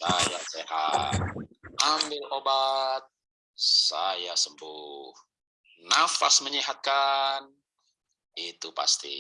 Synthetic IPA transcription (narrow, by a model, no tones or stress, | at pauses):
sajaseɦa̰t̪̚ambɪlʔobat̪̚ | sajasəmbuh | nafasməɲiɦat̪̚kan | it̪upa̰st̪ḭ